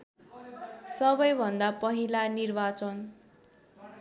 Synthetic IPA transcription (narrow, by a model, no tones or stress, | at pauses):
sʌbʌjbʱʌnd̪apʌɦilanirbat͡sʌn